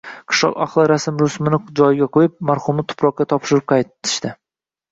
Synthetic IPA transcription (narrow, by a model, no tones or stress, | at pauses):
qʰɨ̥ʃlɒ̰qa̰χlˠɪɾasɪmɾʊsmɪnɪd͡ʒɒjɪɡʲaqʰojɪp̚maɾχʊmnɪt̪ʰʊ̥pʰɾɒq̚kʲːat̪ʰɒpʃɪɾɪp̚qʰɑj̪ʰɪ̥ʃt̪ɪ